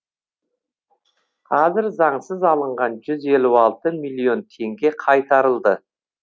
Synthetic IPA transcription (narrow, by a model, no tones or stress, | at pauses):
qʰɑzɪɾzɑɴsəzɑlˠəɴʁɑnʒʏze̞lʲuɑlˠt̪əmilʲio̞nt̪ʰe̞ŋɡʲe̞qʰɑjt̪ɑɾəlˠd̪ə